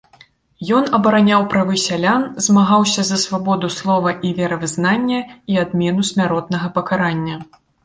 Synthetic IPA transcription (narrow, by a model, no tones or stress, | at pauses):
jɔnɐbɐɾanʲawpɾavɨsʲalʲanzmaɣawsʲɐzɐsvabɔd̪uslˠɔvɐʔivʲɛɾɐvɨznanʲːɐiad̪mʲɛnusʲmʲaɾɔt̪̚nɐɣɐpɐkaɾanʲːɐ